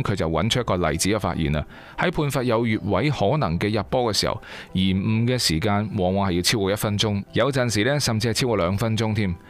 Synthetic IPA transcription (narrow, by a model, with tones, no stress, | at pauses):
mkʰɵ˨˧jt͡sɐ˨wɐ̰˨˥nt͡ʃ̚ʰjkɔː˧lɐ̰˨˩jt͡siː˨˥kɛː˧fa̰ː˧t̚jḭː˨˩nɐ̰˧ | hɐ˨˥jpʰuː˧nfaː˧t̚jɐ˨˧wjyː˨t̚wɐ˨˥jhɔː˨˥nɐ˨˩ŋkɛː˧jɐ˨˧t̚pɔː˥kɛː˧siː˨˩hɐ̰˨wjiː˨˩m̩ː˨˩kɛː˧siː˨˩kaː˧nwɔː˨˧ŋwɔː˨˧ŋhɐ˨ji˧wt͡sʰi˥wkɔː˧jɐ˥t̚fɐ˥nt͡ʃʊ˥ŋjɐ˨˧wt͡sɐ˨nsiː˨˩lɛː˥sɐ˨mt͡si˧hɐ˨jt͡sʰiː˥wkɔː˧lœː˨˧ŋfɐ˥nt͡sʊ˥ŋt̪ʰiː˥˩m